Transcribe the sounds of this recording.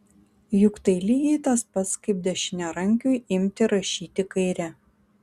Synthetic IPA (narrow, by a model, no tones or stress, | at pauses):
jʊkt̪ɐɪlʲiːɡʲɛɪt̪ɐspɐt̪skɐɪp̚d̪ʲɛʃʲɪnʲɛɾɐŋʲkʲujɪmʲt̪ʲɪɾɐʃʲiːt̪ʲɪkɐɪɾʲɛ